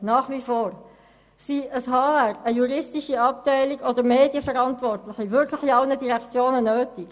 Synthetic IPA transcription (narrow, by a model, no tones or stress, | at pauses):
nɑːχʋifoːɾ | siəsɦɑːæɾəjuɾɪstiʃiɑptɛɪliɡɔdəɾmeːdiəfəɾɑntvɔrtlɪχivʏɾkʰləχiɑlnədiʁɛkt͡sjoːnənøːtik